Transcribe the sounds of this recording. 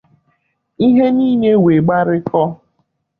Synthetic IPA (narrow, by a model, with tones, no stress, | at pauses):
i˦ɦe˦niː˦ɲe˦we˨ɡ͡ba˦ɾɪ˦kɔ˦